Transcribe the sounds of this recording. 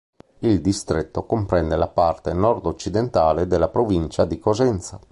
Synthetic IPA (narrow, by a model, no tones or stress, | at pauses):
ild̪ist̪ɾet̪ːokompɾɛnd̪elapart̪enɔrd̪ot͡ʃːid̪ent̪aːled̪elːapɾovint͡ʃad̪ikozɛnt̪sa